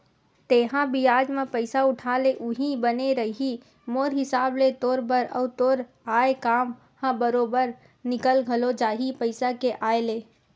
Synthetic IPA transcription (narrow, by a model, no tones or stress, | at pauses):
t̪eːɦãbijaːd͡ʒmẽpəɪsaʊʈʰaːleʔuɦĩbəneɾəɦi | moːɾɦɪsaːblet̪oːɾbəɾə̰ʊt̪oːɾ | aːekaːm | hãbəɾoːbəɾ | nɪkəlɡʱəlod͡ʒaːɦipəɪsakeʔaːeleː